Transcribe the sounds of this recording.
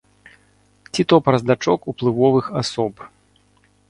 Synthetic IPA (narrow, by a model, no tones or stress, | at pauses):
t͡sʲit̪ɔpɾɐzd̪at͡ʂɔkuplˠɨvɔvɨxasɔp